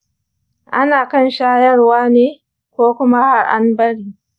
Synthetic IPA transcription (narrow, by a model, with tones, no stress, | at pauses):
ʔa˦naː˨kɐ˦˨nʃaː˦jɐ˦rwaː˦neː˨ | kʷoː˦kʷʊ˦ma˦ha˨ɾʔa̰˦nbɐ˦ɽiː˨